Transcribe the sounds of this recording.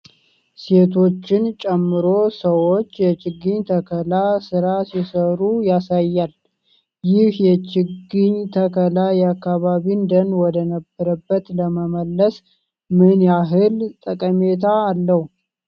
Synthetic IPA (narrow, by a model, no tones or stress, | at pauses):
se̞t̪ʰo̞t͡ʃːɪnt͡ʃʼɛmːɨɾo̞səwo̞t͡ʃːjɛt͡ʃɪɡːɨɲt̪ʰəkʰəlasɨɾasisəɾujasajːal | jɪhjɛt͡ʃɪɡɨɲt̪ʰəkʰəlajɛakːaβaβind̪ənwɔd̪ənəbːəɾəbːət̪ləməməlːəs | mɨnjaɦɨlt̪ʼəkʼəme̞t̪ʰaːlːəhu